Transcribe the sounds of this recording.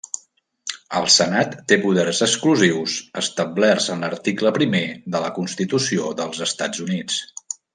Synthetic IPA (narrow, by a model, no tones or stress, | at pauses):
əlˠsənat̪ːepuðɛrzəkskluziwsəst̪əblɛrzənlərt̪ikləpɾimeðələkunst̪it̪usioðəlˠzəst̪ad͡zunit͡s